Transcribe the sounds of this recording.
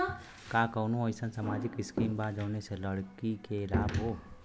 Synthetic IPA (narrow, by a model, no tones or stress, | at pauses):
kaːkɐːnũoːɪsɐnsamaːd͡ʒɪkɪskiːmbaːd͡ʒɐwneseləɽkikeɪlaːbɦoː